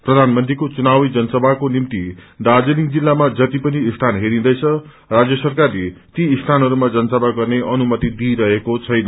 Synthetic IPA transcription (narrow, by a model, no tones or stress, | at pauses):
prʌd̪ʱanmʌnt̪rikot͡sunawid͡zʌnʌsʌbʱakonimt̪id̪ad͡zeliŋd͡zilːamad͡zʌt̪ipʌniːst̪ʰanɦeɾĩnd̪ʌjt͡sʰʌ | rad͡zjʌsʌrkarlet̪iːst̪ʰanɦʌɾumad͡zʌnʌsʌbʱaɡʌrneʔʌnumʌt̪id̪iɾʌɦekot͡sʰʌjnʌ